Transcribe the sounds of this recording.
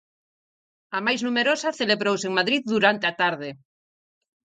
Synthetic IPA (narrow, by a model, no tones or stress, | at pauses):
ɐmajznumeɾosaθeleβɾowseŋmaðɾiððuɾant̪eat̪aɾðe